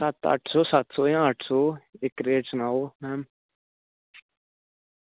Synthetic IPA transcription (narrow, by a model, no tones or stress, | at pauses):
sət̪ə̰ʈʰsoːsət̪soːjãːəʈʰsoːɪkɾeːt͡ʃnaoːmɛːm